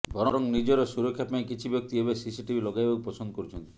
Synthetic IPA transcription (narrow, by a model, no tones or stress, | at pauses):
bʱɔɾɔɾɔŋnid͡ʒɔɾesuɾɔkʰːjapaĩkit͡ʃʰibjɔk̚t̪iɦebesisiʈibʱilɔɡajbaupɔsɔnd̪ɔkɔɾut͡ʃʰɔnt̪i̥i